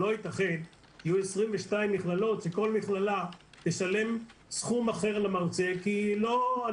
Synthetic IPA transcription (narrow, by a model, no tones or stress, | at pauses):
o̞it̪aχe̞n | hajuesʁimveʃtaimːiχlalo̞t̪ʃeko̞lmiχlala | beʃale̞msχumaχe̞ʁalamaʁt͡se̞kilo̞a